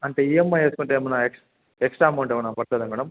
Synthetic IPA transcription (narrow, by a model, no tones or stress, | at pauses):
ɐɳʈeːiemːaeːsukuɳʈemɐnaekʂ | eksʈɾaːmɐwɳʈemɐnaːpɐɾt̪ɐːd̪ɐŋɡɐɽɐm